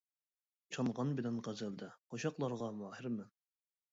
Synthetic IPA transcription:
t͡ʃʰɑnʁɑnbɪd̪ɛnqæzæld̪ɛqʰoʃɑqlˠɑɾʁɑmɑːɦɪɾmɨ

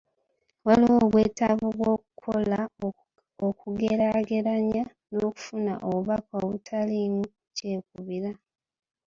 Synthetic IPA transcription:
waliwoβwe̞ːtaβuβwoːkukʰola | okuɡeɾaɡe̞ɾaɲa | no̞ːku̥funa̰ʔoβuβakoβutʰalinu | ce̞ːk̚uβiɾa

